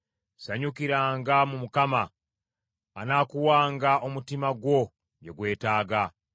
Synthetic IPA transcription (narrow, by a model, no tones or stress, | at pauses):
saɲukiɾaːŋɡamumukama | naːkuwaːŋɡao̞mutimaɡwo̞ | ɟe̞ɡwe̞ːtaːɡa